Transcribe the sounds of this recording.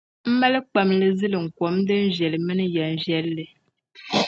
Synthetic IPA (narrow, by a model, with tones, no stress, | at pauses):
m̩˦ma˦lk͡pa˨mlɨ˦zɨ˦lɨ˨ŋ̩˨kɔ˨˦m˦dɨ˦n̩˦ʒɛ˨lmɨ˦n˦ja˨n̩˦ʒjɛ˦lːɨ˨